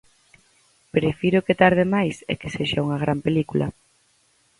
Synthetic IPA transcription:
pɾefiɾʊket̪aɾð̞emajsḛkeseʃauŋɐɣ̞ɾʔampelikulʔɐ̰

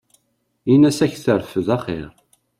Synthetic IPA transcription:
inæsæçθəɾfəðæχḛɾ

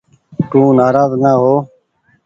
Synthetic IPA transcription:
t̪ũːnaːɾaːznaːɦoː

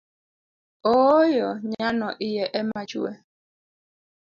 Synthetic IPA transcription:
ojɔɲanɔʔijɛʔɛmat͡ʃṵɛ

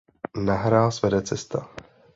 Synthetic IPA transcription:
naɦɾaːlsvɛdɛt͡sɛst̪a

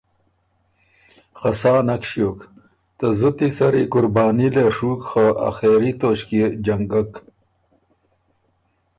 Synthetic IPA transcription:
χɐsaːnɐkʂjoːk | t̪ɐzət̪isɐɾikuɾbaːnileʂuːkxəʔa̰xeːɾit̪oɕkid͡ʑɐŋɡɐk

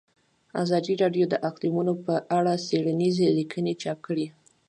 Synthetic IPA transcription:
a̰zɑd̪iɾɑɖjod̪əʔaqd̪imunopəʔaɽaseɽanizelikʰənet͡ʃɑp̚kəɽi

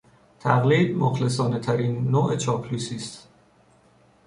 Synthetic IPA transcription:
t̪ʰæɣliːd̪̚moxles̬ɒːnet̪ʰæɾiːnːoːʔe̞t͡ʃʰɒːpʰluːsiːst̪

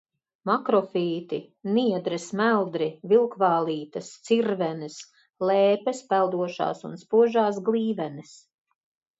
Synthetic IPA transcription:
makɾɔfiːt̪iniɛd̪ɾɛsmælˠd̪ɾivilˠkvaːlˠiːt̪ɐst̪siɾvɛnɪs | lɛːpɛspælˠd̪uɔʃa̰ːsṵnspuɔʒaːs̬ɡlˠiːvɛnɛs

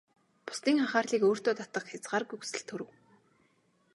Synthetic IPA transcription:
pʊ̥st̪iːŋaχaːrɮiːkoːr̥t̪oːt̪at̪ə̆kxʲat͡sɢaːrɡuksɘ̆ɬt̪ʰɵɾɘ̆w

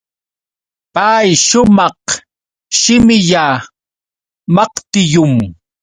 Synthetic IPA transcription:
pajʃʊmɑq | ʃɪmɪʎa | mɑqt̪ɪjʊm

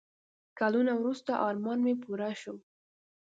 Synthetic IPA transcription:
kalunawɾust̪aʔɑɾmɑnmepuɾaʃo

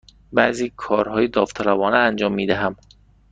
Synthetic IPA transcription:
bæziːkʰɒːɾhɒːjed̪ɒːft̪ʰælæbɒːneænd͡ʒɒːmːiːd̪æɦæm

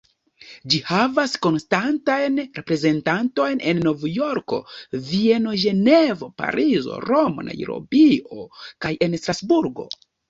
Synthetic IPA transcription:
d͡ʒihavasko̞nstantajnɾe̞pɾe̞ze̞ntanto̞jne̞nːo̞vjo̞ɾko̞̰vie̞no̞ʒe̞ne̞vo̞pa̰ɾʔizo̞̰ɾo̞mo̞̰nʔa̰jḭɾo̞̰bio̞̰kaje̞nstɾasbuɾɡo̞̰

